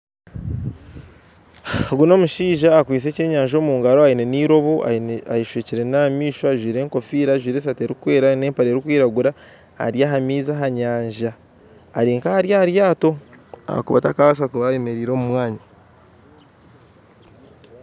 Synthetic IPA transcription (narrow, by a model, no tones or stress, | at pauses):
ɡuno̞ːmuʃiːʒaːkwiːs̬e̞ːce̞ːɲaːɲʒo̞ːmuːŋɡaɾoaine̞niːɾo̞βoa̰aiʃweːciɾe̞namiːʃoaʒwiːɾe̞ːŋko̞fiːɾaʒwiːɾes̬ateːɾikweːɾane̞ːmpaɾe̞ːɾikwiːɾaɡuɾa | ha̰ɾjaːɦamiːzaɦaɲaːɲʒaː | ɾiːŋkahaɾjahɾjaːto̞a̰a̰kuβa̰takaβas̬akuβajeme̞ɾiːɾo̞ːmumwaːɲa